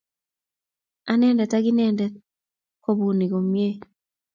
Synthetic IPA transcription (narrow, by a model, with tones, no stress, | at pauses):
a˦nɛ˦ndɛ˨ta˦ɡi˦nɛ˦˨ndɛ˦ | ko˦˨bu˨ni˨ko˨mje˦